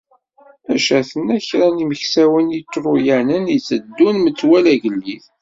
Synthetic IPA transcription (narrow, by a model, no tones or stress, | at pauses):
æʃæθənæçɾæniməçsæwənit͡sːɾˤujænənit͡sːəd̪ːunmət͡sːwælæʝəlːiθ